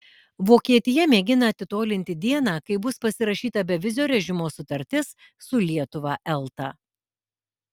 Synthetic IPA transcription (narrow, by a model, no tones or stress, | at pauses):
ʋoːkʲiɛt̪ʲɪjɛmʲeːɡʲɪnɐːt̪ʲɪt̪oːlʲɪnʲt̪ʲɪd̪ʲiɛnɑːkɐɪbʊspɐsʲɪɾɐʃʲiːt̪ɐbʲɛʋʲɪzʲoːɾʲɛʒʲɪmoːsʊt̪ɐɾʲt̪ʲɪs | sʊlʲiɛt̪ʊʋɑːʔɛlˠˑt̪ɐ̰ː